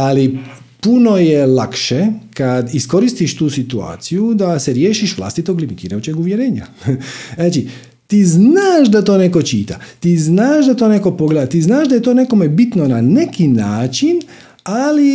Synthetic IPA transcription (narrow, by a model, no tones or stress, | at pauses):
ali | puno̞jelˠakʃekad̪isko̞ɾist̪iʃt̪uːsit̪ua̰ːt̪sijud̪aseɾjeːʃiʃʋlˠa̰st̪it̪o̞ɡlimit̪iːɾajut͡ʃeɡuʋjeɾeːɲa̰naːt͡ʃi | t̪iːznnaːʒd̪at̪o̞ːne̞ko̞t͡ʃḭːt̪a̰t̪iːznaːʒd̪at̪o̞ːne̞ko̞po̞ɡled̪at̪iːznaːʒd̪aje̞t̪oːne̞ko̞mebit̪nonane̞kinaːt͡ʃin | ali